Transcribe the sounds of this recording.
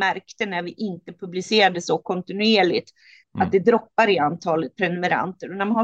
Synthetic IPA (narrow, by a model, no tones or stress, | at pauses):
æɾkt̪ənæɾvɪʔɪnt̪əpʰɵblɪseːɾad̪əsɔkʰɔnt̪ɪnʉeːɭɪ̰t̪ | ʔat̪̚d̪ɛd̪ɾɔpːaɾɪant̪ʰɑːlət̪̚pʰɾɛnɵmɛɾa̰nt̪əɾɔnæɾmanha